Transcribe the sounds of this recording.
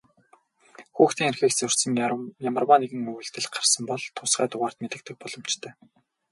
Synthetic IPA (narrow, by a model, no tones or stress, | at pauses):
xuːxt̪ʰiːŋerxiːkt͡sɵr̥ʲsə̆ŋjamə̆rwaːneɣɘ̆ŋmɵɣɵ̆ɮt̪ɘ̆ɮɢarsə̆mpɔɮt̪ʰʊsɢæːt̪ʊʁaːr̥t̪met̪ɘ̆k̚t̪ʰɘ̆k̚pɔɮɞ̆mt͡ɕt̪ʰœː